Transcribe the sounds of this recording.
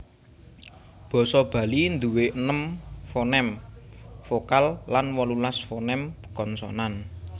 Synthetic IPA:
b̥ɔ̤sɔb̥ä̤lind̪uweʔənəmfonɛm | fokalːanwɔlulasfonɛm | kɔnsɔ̰nan

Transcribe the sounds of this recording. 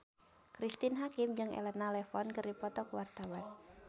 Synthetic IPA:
kɾist̪ɪnɦakɪmd͡ʒɨŋɛ̰lɛnalɛfɔnkɨrdipɔt̪ɔkwart̪awan

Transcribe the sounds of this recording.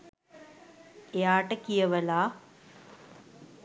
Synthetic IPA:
jaːʈɐkːijɐʋɐlaː

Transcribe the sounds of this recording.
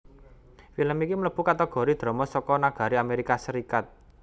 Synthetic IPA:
filəmikimələb̥ukat̪əɡ̥ɔ̤ɾid̪̥ɾɔ̤mɔsɔkɔnaɡ̥a̤ɾiameɾikasəɾikat̪̚

